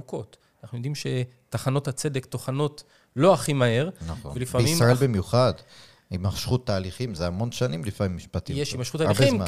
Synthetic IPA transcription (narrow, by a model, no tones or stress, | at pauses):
uko̞t̪ | anaχnujo̞d̪imʃe̞ | taχano̞that͡se̞d̪ekt̪oχano̞t | lo̞aχimahe̞ʁnaχo̰velifamisimʁaebimjuχad | imaχʃχut̪ːaːliχimzeamo̞nʃanimlifamimːiʃpat̪ijeʃimaʃχut̪ːaliχimma